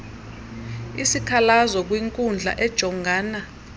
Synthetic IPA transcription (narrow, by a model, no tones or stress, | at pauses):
isikʰalazɔk̬wiŋkʼund͡ɮʱa̰ʔɛd̥ʒ̥ʱɔŋɡʱaːna